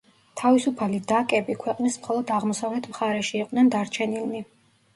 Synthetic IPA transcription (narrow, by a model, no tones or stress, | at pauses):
t̪ʰavisupʰalid̪akʼɛbikʰwɛqʼnismχɔlˠɔd̪aʁmɔsavlɛt̪ʰmχaɾɛʃiːqʼnɛnd̪aɾt͡ʃʰɛnilmi